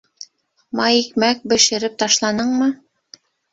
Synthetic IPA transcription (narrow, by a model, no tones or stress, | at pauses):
mɑjikmæk̚bɘ̆ʃɘ̆ɾɘp̚t̪ɑʃlˠɑnɤɴmɤ